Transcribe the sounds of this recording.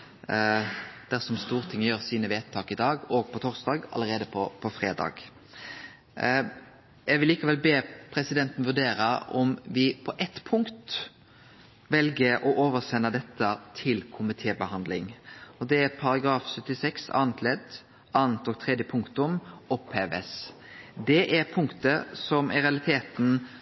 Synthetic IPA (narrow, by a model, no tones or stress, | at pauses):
d̪̥æʁsɔmst̪uːʁət̪ʰɪŋːəjøːʁsiːnəʋeːt̪ʰːɑːkɪd̪ɑːɡɔːɡ̚pʰɔt̪ʰɔʁsd̪ɑːɡɑ̰ləɾeːd̪əpʰɔpʰɔfʁeːd̪ɑ̰ːɡ | jɛɡʋɪliːkɑʋɛlbeːpʰɾɛsɪd̪ɛnt̪n̩ʋʉɖ̪eːɾəɔ̰mʋɪpʰɔʔɛt̪ːpʰʊŋkt̪ | ʋɛlɡəʔɔʔoːʋəɾsɛnːəd̪ɛt̪ʰːət̪ʰɪlkʰʊmɪt̪ʰeːbəhɑnd̪lɪŋɔd̪ɛæɾpʰɑɾɑɡɾɑːfsœt̪ːɪsɛksɑ̰ːnt̪ʰlɛd̪ | ʔɑːnt̪ɔːɡ̚t̪ʰɾɛd̪jəpʰʊŋkt̪ʊmɔpheːʋə̰sd̪ɛʔæɾpʰʊŋkt̪əsɔmæɾɛɑlɪt̪ʰeːt̪n̩